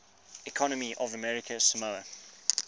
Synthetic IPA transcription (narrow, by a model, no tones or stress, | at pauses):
ɪkʰɔnəmiʔɔvəmɛɹɪkʰəsəməə